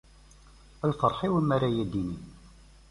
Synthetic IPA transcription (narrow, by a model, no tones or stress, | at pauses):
ælfəɾˤħiwəmːæɾæjæd̪ini